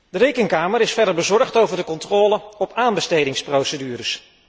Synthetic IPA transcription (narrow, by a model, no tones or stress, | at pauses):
dəɾejkəŋkaːməɾɪsfɛdəɹbəzɔɹχtowvəɹdəkɔntrɔːləɔpaːnbəstejdɪŋsprowsədyːɾəs